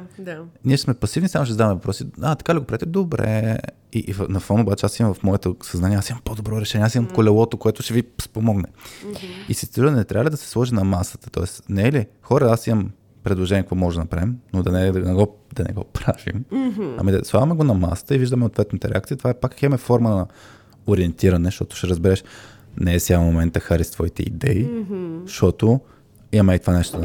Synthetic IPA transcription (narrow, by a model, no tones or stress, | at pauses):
d̪aniɛʃsmɛpɐsivnisamoʃ̬ɛzd̪avɐmɛvɐpɾɔsiat̪ɐ̥kaliɡopɾɐɛt̪ɛd̪obɾɛ̰ | iʔvnɐfɔnobat͡ʃɛasimɐmvɐfmɔɛt̪osɐznaniɛasimɐmpod̪obɾɔɾɛʃɛnʲɛasimɐmkolɛlˠɔt̪okoɛt̪ʊʃɛvispomɔɡnɛ | isist̪ɾunɛt̪ɾʲʔavəlʲid̪ɐsɛ̥slˠɔʒinɐmasə̥t̪ə̥t̪ɔ̰ɛsnɛɛli | xɔɾəasimɐm | pɾɛd̪lˠoʒɛnʲiɛkvɔmɔʒd̪nɐnɐpɾavimnod̪ɐnɛd̪ɐnɛɡɔ | d̪ɐnɛ̰ɡɔpɾavḭmɐ̰mid̪ɐslˠavɐmɛɡonɐma̰sə̥t̪əiviʒd̪əmɛot̪vɛt̪nɐt̪əɾɛak̪̚it̪ovaɛpakːximɛfɔɾmənɐ | oɾiɛnt̪iɾɐnɛʃt̪ɔt̪ʊ̥ʃɛɾəzbɛɾɛʃ | nɛːsjalmomɛnt̪əxaɾist̪vɔit̪ɛ̰ḭd̪ɛiʃt̪ɔt̪o | iɐmɛit̪ovanɛʃt̪od̪